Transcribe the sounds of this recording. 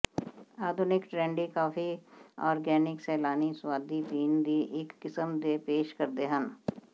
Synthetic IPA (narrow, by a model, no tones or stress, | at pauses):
aːd̪ʱʊnɪkʈɾẽːɳɖikaːfʰiɔːɾɡɛːnɪksɛːlaːniswaːd̪ʱipiːnd̪iʔɪkːɪsəmd̪epeːʃkɐɾd̪eːɦɐn